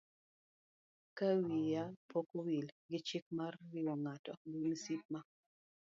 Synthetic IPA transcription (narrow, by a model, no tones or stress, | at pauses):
kawijapokowilɡɪt͡ʃik̚marːɪɔŋatɔdunisip̚ma